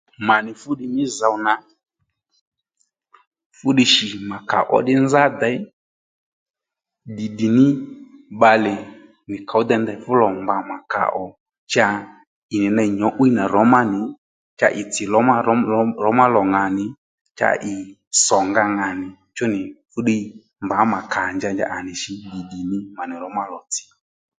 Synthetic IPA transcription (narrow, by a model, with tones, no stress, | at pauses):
ma˨nɪ˨fʊ˦ɗi˧mɪ˦za˨wna˨ | fʊ˦ɗi˧ʃi˨ma˨ka̰˨ʔɔ̰˨ɗɪ˦nza˦da˨˦ɪ˦ | di˨di˨nɪ˦ɓa˧lɛ˨ | mɪ˨ka˨ʊ˦d̪ɛ˧nd̪ɛ˧˨˦fʊ˦lɔ˨mba˨ma˨ka̰˨ʔɔ˨ | t͡ʃa˧ | ɪ˨nɪ˨na˧˨ɲɔ˨˦ʔu˦i˦na˨ɾɔ˨˦ma˦nɪ˨ | t͡ʃa̰˧ʔɪ˨t͡sɪ˨lɔ˨˦ma˦˨˦ɾɔ˨˦ma˦lɔ˨ŋa˨nɪ˨ | t͡ʃa̰˧ʔɪ˨ | sɔ˨ŋɡa˧ŋa˨nɪ˨ | t͡ʃʊ˦nɪ˨fʊ˦ɗe˦ | mba˨˦ma˨kʰa˨nd͡ʒa˧nd͡ʒa̰˦ʔa˨nɪ˨ʃɪ˧di˨di˨nɪ˦ma˨nɪ˨ɾɔ˨˦ma˦lɔ˨t͡sɪ̥˨